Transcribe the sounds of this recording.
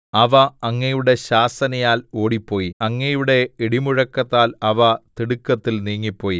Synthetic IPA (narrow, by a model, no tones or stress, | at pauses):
ɐʋɐːŋːɐjuɽe̞ɕaːsɐnɐjaːlo̞ːɽipːo̞ːjiɐŋːɐjuɽe̞iɽimuɻɐkːɐt̪ːaːlɐʋɐt̪iɽukːɐt̪ːilniːŋːipːo̞ːji